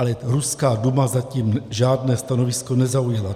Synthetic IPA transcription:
lɛɾuskaːdumazaciːmʒaːdnɛːst̪ano̞vɪsko̞nɛzaujɛla

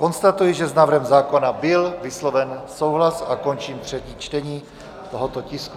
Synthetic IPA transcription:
ko̞nst̪at̪ujɪʒɛznaːvr̩ɦɛmzaːko̞nabɪlvɪslovɛnsowɦlasako̞nt͡ʃiːmt̪r̝̥ɛciːt͡ʃt̪ɛɲiː | t̪oɦot̪o̞cɪsku

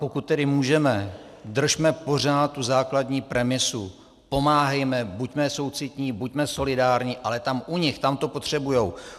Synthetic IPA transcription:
po̞kut̪̚ːɛdɪmuːʒɛmɛ | d̪r̩ʃmɛpo̞r̝aːt̪̚t̪uzaːkladɲiːpɾɛmɪsu | po̞maːɦɛjmɛbucmɛso̞wt͡sɪt̪ɲiːbucmɛso̞lɪdaːɾɲiːʔalɛt̪amʔuɲɪxt̪amt̪o̞po̞t̪r̝̥ɛbujow

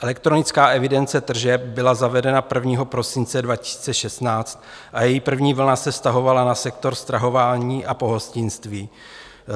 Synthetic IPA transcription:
ʔɛlɛkt̪ɾo̞nɪt͡skaːʔɛvɪdɛnt͡sɛt̪r̩ʒɛp̚bɪlazavɛdɛnapr̩vɲiːɦo̞pɾo̞sɪnt͡sɛdvacɪ̥si̥ːt͡sɛʃɛst̪naːt͡st̪ | ʔajɛjiːpr̩vɲiːvl̩nasɛfst̪aɦo̞valanasɛkt̪o̞ɾst̪ɾaɦo̞vaːɲiːʔapo̞ɦo̞scɪnst̪viː

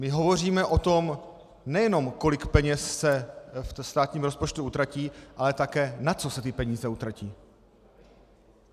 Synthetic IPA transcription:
mɪɦo̞vo̞r̝iːmɛʔo̞t̪o̞m | nɛjɛno̞mko̞lɪkpɛɲɛsːɛfst̪aːt̪ɲiːmɾo̞spo̞t͡ʃt̪uʔut̪ɾaciːʔalɛt̪akɛːnat͡so̞sɛt̪ɪpɛɲiːzɛut̪ɾaciː

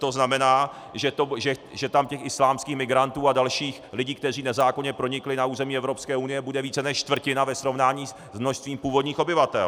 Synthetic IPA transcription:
t̪o̞znamɛnaː | ʒɛt̪oʒɛʒɛt̪amcɛxɪslaːmskiːxmɪɡɾant̪uːadalʃiːxlɪɟiːkt̪ɛr̝iːnɛzaːko̞ɲɛpɾo̞ɲɪklɪnauːzɛmiːɛvɾo̞pskɛːunɪjɛbudɛviːt͡sɛnɛʃt͡ʃt̪vr̩cɪnavɛsɾo̞vnaːɲiːz | zmnoʃst̪viːmpuːvo̞dɲiːxo̞bɪvat̪ɛ̰l

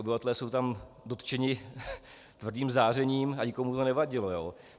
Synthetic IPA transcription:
obɪvat̪ɛlɛːso̞wt̪am | do̞t̪t͡ʃɛɲɪ | t̪vr̩diːmzaːrɛɲiːmaɲɪkomut̪onɛvaɟɪlojoː

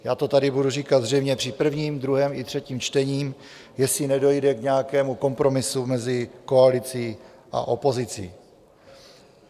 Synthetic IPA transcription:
jaːt̪o̞t̪adɪbuduriːkad̪zr̝ɛjmɲɛpr̝̥ɪpr̩vɲiːmd̪ɾuɦɛmɪt̪r̥ɛciːmt͡ʃt̪ɛɲiːm | jɛsɪnɛdo̞jdɛkɲɛakɛːmuko̞mpɾo̞mɪsumɛzɪko̞alɪt͡siː | ʔa̰ʔo̞po̞zɪt͡sḭː

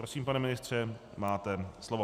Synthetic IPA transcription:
ɾosiːmpanɛmɪnɪst̪r̝̥ɛ | maːt̪ɛslovo

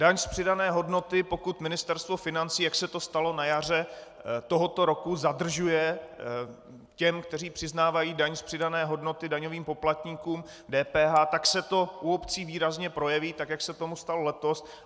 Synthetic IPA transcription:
d̥aɲspr̝̥ɪdanɛːɦo̞dno̞t̪ɪpo̞kut̪mɪnɪst̪ɛɾst̪vo̞fɪnant͡siːjaksɛt̪o̞st̪alo̞najar̝ɛ | t̪oɦo̞t̪o̞ɾo̞kuzadr̩ʒujɛ | cɛmkt̪ɛr̝iːpr̥ɪznaːvajiːdaɲspr̥ɪdanɛːɦo̞dno̞t̪ɪdaɲo̞viːmpo̞plat̪ɲiːkuːm | dɛːpɛːɦaːt̪aksɛt̪o̞ʔuo̞pt͡siːviːɾazɲɛpɾo̞jɛviːt̪akjaksɛt̪o̞must̪alolɛt̪os

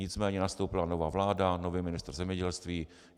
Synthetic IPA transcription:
ɪt͡smɛːɲɛnast̪owpɪlano̞vaːvlaːdanoviːmɪnɪst̪r̩zɛmɲɛɟɛlst̪viː

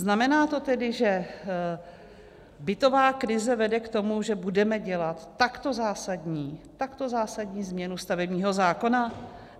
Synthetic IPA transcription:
znamɛnaːt̪o̞t̪ɛdɪʒɛ | bɪt̪o̞vaːkɾɪzɛvɛdɛkt̪o̞muʒɛbudɛmɛɟɛlat̪ːakt̪o̞zaːsadɲiːt̪akt̪o̞zaːsadɲiːzmɲɛnust̪avɛbɲiːɦo̞zaːko̞na

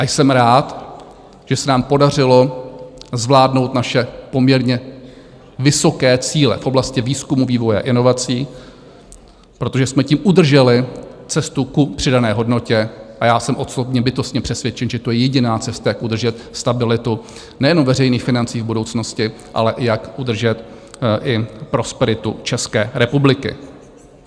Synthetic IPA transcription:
ʔajsɛmɾaːt̪ | ʒ̥ɛsɛnaːmpo̞dar̝ɪlo̞ | zvlaːdno̞wt̪naʃɛpo̞mɲɛɾɲɛ | vɪso̞kɛːt͡siːlɛ̰fʔoblascɪviːskumuviːvo̞jɛa̰ʔɪno̞vat͡siː | pɾo̞t̪o̞ʒɛsmɛciːmʔud̪r̩ʒɛlɪt͡sɛst̪ukupr̝̥ɪdanɛːɦo̞dno̞cɛʔajaːsɛmʔo̞sobɲɛbɪt̪o̞st̪ɲɛpr̝̥ɛsvjɛt͡ʃɛnʒɛt̪ojɛjɛɟɪnaːt͡sɛst̪ajakʔud̪r̩ʒɛt̪st̪abɪlɪt̪u | nɛjɛno̞mvɛrɛjniːxfɪnant͡siːvbudo̞wt͡sno̞scɪ | ʔa̰lɛʔɪjakʔud̪r̩ʒɛt̪ | ʔɪpɾo̞spɛɾɪt̪ṵt͡ʃɛskɛːɾɛpublɪkɪ̰

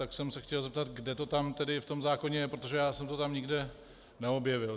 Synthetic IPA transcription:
t̪aksɛmsɛxcɛlzɛp̚t̪at̪ɡdɛt̪o̞t̪amt̪ɛdɪft̪o̞mzaːko̞ɲɛjɛpɾot̪oʒɛjaːsɛmt̪ot̪amɲɪɡdɛ | nɛo̞bjɛvɪl

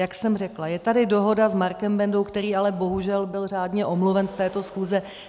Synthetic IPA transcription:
jaksɛmrɛklajɛt̪adɪdo̞ɦo̞dazmaɾkɛmbɛndo̞wkt̪ɛɾiːalɛbo̞ɦuʒɛlbɪlr̝aːdɲɛʔo̞mluvɛnst̪ɛːt̪o̞sxuːzɛ

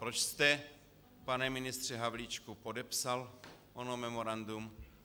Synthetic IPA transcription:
pɾot͡ʃst̪ɛ | panɛmɪnɪst̪r̝̥ɛɦavlit͡ʃkupodɛpsalʔonomɛmoɾand̪um

